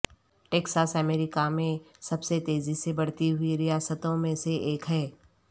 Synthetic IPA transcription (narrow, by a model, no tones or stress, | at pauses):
ʈeːksaːsəmɛːɾɪkamẽ | sɐbset̪eːzisebɐɽt̪iɦʊiɾɪjaːsət̪õmẽseʔeːkɦɛː